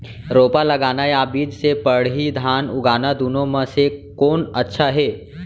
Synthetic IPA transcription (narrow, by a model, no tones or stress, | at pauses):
ɾopaləɡanajabiːd͡ʒsepəɽ̤ɦiːd̪ʱanuɡanad̪unoməsekoːnətːʃʰaɦe